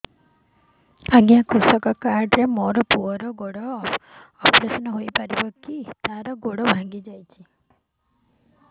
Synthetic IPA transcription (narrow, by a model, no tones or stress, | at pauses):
aɡjakʰɾusɔkɔkaɾɖɾemoɾɔpuɔɾɔɡoɽɔː | pɾesɔnɔɦojpaɾibɔkit̪aɾɔɡoɽɔbʱaŋɡid͡ʒajt͡ʃʰi